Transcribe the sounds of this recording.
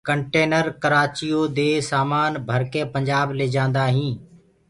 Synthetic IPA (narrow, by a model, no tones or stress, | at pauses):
kəɳʈeːnəɾkəɾaːt͡ʃijoːd̪eːsaːmaːnbʱəɾkẽːpə̃ɲd͡ʒaːbleːd͡ʒãːnd̪aːɦĩː